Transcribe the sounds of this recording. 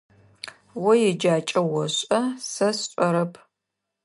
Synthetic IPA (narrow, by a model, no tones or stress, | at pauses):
wɔjɛd͡ʒaːt͡ʃʼɐwɔɕʷʼɐsɐsɕʷʼɔɾɐpʰ